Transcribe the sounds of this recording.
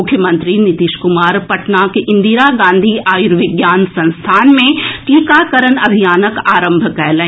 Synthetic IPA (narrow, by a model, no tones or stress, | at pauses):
ʊkʰːjəmə̃nt̪ɾinɪt̪iːʃkʊmaːɾpɐʈnaːkʔɪ̃nd̪iːɾaɡãːnd̪ʱiʔaːjuɾʋɪɡjaːnsɐ̃nst̪ʰaːnmẽʈiːkaːkɐɾənɐbʱijaːnəkaːɾə̃mbʱkɛɦlẽ